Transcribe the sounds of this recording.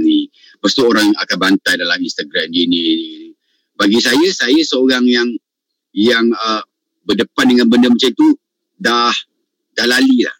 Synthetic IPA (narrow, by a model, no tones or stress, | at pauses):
ni | pəst̪uoɾaŋakanbant̪ajdalaminst̪aɡɾamdinini | baɡisajasajasəoɾaŋjaŋ | jaŋə | bədəpan̚dəŋãnbəndəmat͡ʃamt̪u | dah | dahlalila̰h